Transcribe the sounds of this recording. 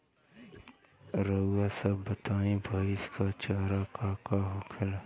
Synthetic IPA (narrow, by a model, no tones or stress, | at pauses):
ɾəasɐbːət̪aːĩbʱaːiskat͡ʃaːɾakaːkaɦokʰəl